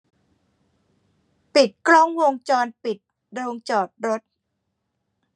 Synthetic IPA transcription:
pi˨˩t̪̚kɾɔ˦˥˩ŋwo˧ŋt͡ɕɔː˧npi˨˩t̪̚ | ɾoː˧ŋt͡ɕɔː˨˩t̪̚ɾo˦˥t̪̚

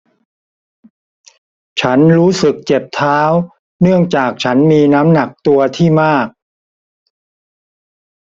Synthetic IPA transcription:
t͡ɕʰa˦˥nɾuː˦˥sɯ˨˩k̚t͡ɕe˨˩p̚t̪ʰaː˦˥w | nɯ˥˩əŋt͡ɕaː˨˩k̚t͡ɕʰa˦˥nmiː˧naː˦˥mna˨˩k̚t̪u˧ɐt̪ʰiː˥˩maː˥˩k̚

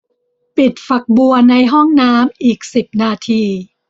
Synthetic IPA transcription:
pi˨˩t̪̚fa˨˩k̚bu˧ɐna˧jɦɔ˥˩ŋnaː˦˥mʔiː˨˩k̚si˨˩p̚naː˧t̪ʰiː˧

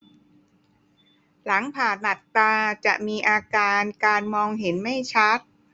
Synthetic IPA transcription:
la˩˦ŋpʰaː˨˩n̚ːa˨˩t̪̚ːaː˧t͡ɕa˨˩ʔmiː˧ʔaː˧kaː˧nkaː˧nmɔː˧ŋɦe˩˦nma˥˩jt͡ɕʰa˦˥t̪̚

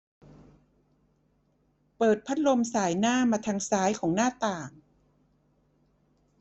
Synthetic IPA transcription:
pɤː˨˩t̪̚pʰa˦˥t̪̚lo˧msaː˩˦jnaː˥˩mːaː˧t̪ʰaː˧ŋsaː˨˦˥jkʰɔː˩˦ŋnaː˥˩t̪aː˨˩ŋ

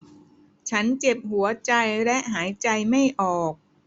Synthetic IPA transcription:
t͡ɕʰa˦˥nt͡ɕe˨˩p̚ɦu˩˦ɐt͡ɕa˧jlɛ˦˥ʔɦaː˩˦jt͡ɕa˧jma˥˩jʔɔː˨˩k̚

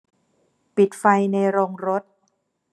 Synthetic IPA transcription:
pi˨˩t̪̚fa˧jna˧jɾoː˧ŋɾo˦˥t̪̚

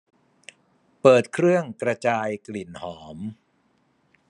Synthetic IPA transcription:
pɤː˨˩t̪̚kʰɾɯ˥˩əŋkɾa˧t͡ɕaː˧jkli˨˩nhɔː˩˦m

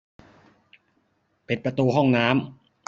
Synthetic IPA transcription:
pe˨˩npɾa˧t̪uː˧ɦɔ˥˩ŋnaː˦˥m

